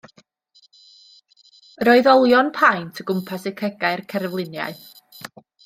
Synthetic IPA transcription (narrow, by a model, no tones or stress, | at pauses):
ɾoɨðɔlˠjɔnpʰajntʰəɡʊmpʰasəkʰɛɡaɨrkʰɛɾvlˠɪnja̰ɨ